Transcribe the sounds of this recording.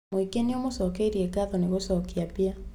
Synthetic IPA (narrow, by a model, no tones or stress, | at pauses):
mwikeniomosɔkeiɾieɡaðɔneɣosɔkiapia